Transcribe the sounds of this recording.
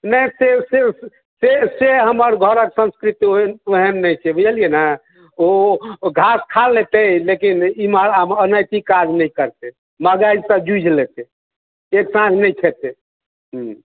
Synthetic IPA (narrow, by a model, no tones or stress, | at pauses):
nəjsese | seseɦəməɾɡʱəɾəksə̃nskɾit̪ioɦənːəjt͡ʃʰɛbʱəd͡ʒəlijena | oɡʱaskʰalːet̪elekinimaɾamənəjt̪ikad͡ʒnəjkəɾt̪e | məɡajd͡ʒsə̃bd͡ʒud͡ʒʱlet̪e | eksãd͡ʒʱnəjt͡ʃʰɛt̪e | ɦ